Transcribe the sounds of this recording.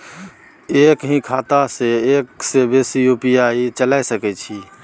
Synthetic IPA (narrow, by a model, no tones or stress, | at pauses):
ekɦĩkʰat̪aseeksebesijupijait͡ʃəlajsəkɛt͡ʃʰi